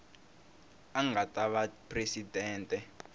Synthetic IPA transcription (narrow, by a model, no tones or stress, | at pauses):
aŋatʼaβapʰresidʱɛːntʼɛ